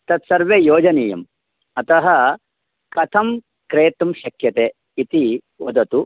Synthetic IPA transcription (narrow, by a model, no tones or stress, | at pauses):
t̪ɐt̪sɐɾʋeːjoːd͡ʒɐneːjɐ̰m | ɐt̪ɐɦɐ | kɐt̪ʰɐm | kɾeːt̪ɐmʃɐkjɐt̪eː | it̪i | ʋɐd̪ɐt̪u